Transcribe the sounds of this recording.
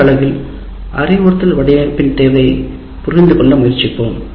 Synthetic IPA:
ɐɭɐɣɪl | ʔɐ̰rɪʋʊɾɐt̪ːɪlʋɐɽɐjɐpːɪnt̪eːʋɐɪ | pʊrɪnd̪ɯkɔɳːɐmʊjɪrt͡ʃːɪpːoːm

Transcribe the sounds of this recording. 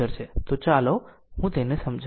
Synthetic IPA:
əɾt͡ʃʰet̪ot͡ʃalo | ɦũt̪enesəmd͡ʒʱ

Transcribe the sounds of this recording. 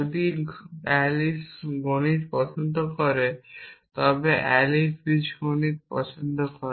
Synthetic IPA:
od̪iɛlisɡonit̪pɔt͡ʃond̪ʱokɔɾet̪ɔbeʔɛlisbid͡ʑɡonit̪pɔt͡ɕond̪ʱokɔɾ

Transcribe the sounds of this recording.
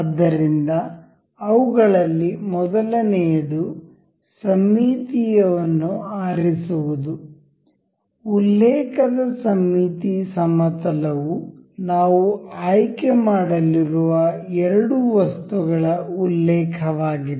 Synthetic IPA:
ɐd̪ːɐɾind̪ɐː | ʋuɡɐɭɐlːimɔd̪ɐlɐneːɽu | sɐmːiːt̪ijɐʋɐnːuaːɾisuʋud̪u | ulːɛːkʰɐd̪ɐsɐmːiːt̪isɐmɐt̪ɐlɐʋunaːʋuaːjkɛmaːɽɐliɾuʋɐɛɾɐɽuʋɐst̪uɡɐɭɐulːɛːkʰɐʋaːɡid

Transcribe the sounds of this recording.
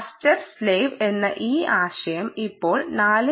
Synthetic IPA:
stɐɾsleːʋe̞nːɐ̰ʔiːaːɕɐjɐmipːo̞ːɭnaːlɨ

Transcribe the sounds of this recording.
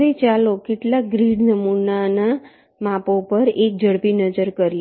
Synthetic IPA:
it͡ʃalokɪʈlak̚ɡɾiɽnəmunana | mãpopəɾek̚d͡ʒəɽpinəd͡ʒəɾkəɾj

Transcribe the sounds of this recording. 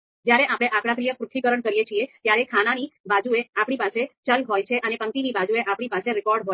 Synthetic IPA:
d͡ʒjaɾeʔapɽ̃eʔapɽ̃ap̬ɾijəpɾʊk̪ʰikəɾəɳkəɾijet͡ʃʰiet̪jaɾekʰananibad͡ʒueapɳ̃ipaset͡ʃəlɦojt͡ʃʰeʔənepəŋt̪inibad͡ʒueʔapɽ̃ipaseɾɪkɔɾɖɦo

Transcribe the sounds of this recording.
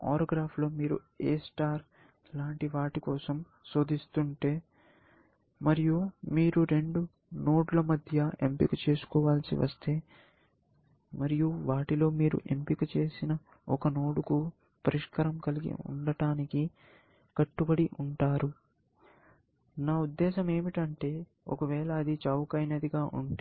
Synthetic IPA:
a̰ːɾɐːɡɾaːpʰlo̞ːmiːɾṵ | eːsʈaːɾ | laːɳʈiʋaːʈikɔːsɐm | so̞ːd̪ist̪uɳʈe̞ː | mɐɾijumiːɾuɾe̞ɳɖu | no̞ːʈlɐmɐd̪ʱjɐempikut͡ʃe̞ːsu̥kɔːʋaːlsḭʋɐ̰st̪e̞ː | mɐɾijuʋaːʈilo̞ːmiːɾṵʔe̞̰mpikut͡ʃe̞ːsinɐ | ɔkɐno̞ːɽuku | pɐɾiʂkɐɾɐmkɐliɡḭṵɳɖɐʈaːniki | kɐʈːubɐɽiʔuɳʈaːɾu | naːud̪ːɛːʃɐme̞ːmiʈɐɳʈe̞ː | ɔ̰kɐʋɛːlɐːd̪it͡ʃɐːwkɐjnɐd̪iɡaːʔṵɳʈeː

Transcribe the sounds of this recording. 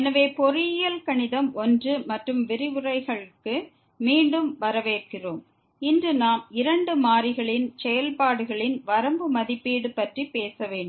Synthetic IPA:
ɛnɐʋeːpɔɾɪjɪjɐlkɐɳɪðɐmɔndrɯmɐʈrɯmʋɪɾɪʋɯrɐɪɣɐɭɯkːɯ | miːɳɖɯmʋɐɾɐʋeːrkɪroːm | ɪndrɯnaːmɪɾɐɳɖɯmaːɾɪɣɐɭɪnsɛjɐlpaːɽɯɣɐɭɪnʋɐɾɐmbɯmɐðɪpːiːɽɯpɐʈripeːsɐʋeːɳɖɯm

